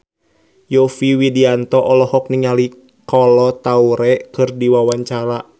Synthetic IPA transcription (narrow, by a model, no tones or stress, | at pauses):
jɔfiwidiant̪ɔʔɔlɔhɔk̚niŋali | kɔlɔt̪auɾɛkɨrdiwawaɲt͡ʃaɾa